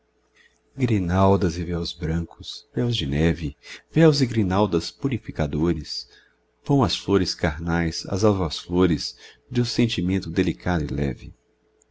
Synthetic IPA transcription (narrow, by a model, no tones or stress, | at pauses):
ɡɾinawd̪ɐzɪvɛwzbɾɐ̃kʊsv̥ɛwzd͡ʒɪnɛvɪvɛwzɪɡɾinawd̪ɐspuɾifikad̪oɾɪs | v̥ɐ̃w̃ɐsfloɾɪskaɾnajsɐ̰zawvɐsfloɾɪz | d͡ʒɪũsẽnt͡ʃimẽnt̪ʊd̪elikʰad̪ʊilɛ̰vɪ